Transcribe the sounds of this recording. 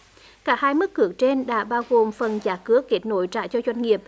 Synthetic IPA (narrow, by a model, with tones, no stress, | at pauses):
kaː˦˥˩haː˧jmɨ˦˥kːɨ˨˦əkt͡ɕe˧nɗa̰ː˧˥ɓaː˧wɣo˨˩mfə˨˩nzaː˨˦˩kɨ˨˥əkːe˦˥t̚no̰˧˦jt͡ɕa̰ː˧˨t͡ɕɔ˧zwa˧jŋ̟ŋi˨˩əp̚